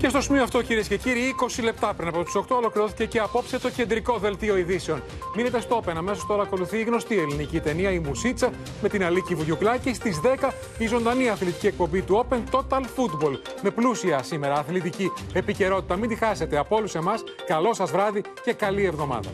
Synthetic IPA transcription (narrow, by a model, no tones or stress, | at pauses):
ce̞st̪o̞simioɐft̪o̞ciɾiesce̞ciɾiiko̞sile̞p̚t̪ɐpɾinɐpot̪u̥so̞kt̪o̞olo̞kliɾo̞θi̥cece̞ɐpo̞pset̪o̞ce̞nd̪ɾiko̞ðe̞lt̪io̞iðise̞o̞n | mine̞t̪est̪oope̞nɐme̞sost̪o̞ɾɐːko̞luθiːɣno̞st̪ie̞linicit̪e̞niɐimusit͡sɐ | me̞t̪inɐlicivuʝuklɐcist̪izðe̞kɐ | izo̞nd̪ɐniɐθlit̪iciek̚pombit̪uo̞pe̞nt̪o̞t̪ɐlfut̪bo̞l | me̞plusiɐsime̞ɾɐːθlit̪iciepice̞ɾo̞t̪it̪ɐmind̪ixɐse̞t̪e̞ɐpo̞lusemɐs | kɐlo̞sɐzvɾɐði | ce̞kɐlievðo̞mɐ̰ðɐ̰